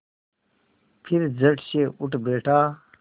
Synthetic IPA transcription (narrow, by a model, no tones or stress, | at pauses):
pʰiɾd͡zɐʈɕeuʈbeːʈʰaː